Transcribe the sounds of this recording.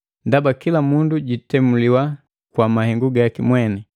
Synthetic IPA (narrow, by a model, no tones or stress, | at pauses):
ndabakilamunduɟitɛmuliwa | kwamahɛŋɡuɡakimwɛnɛ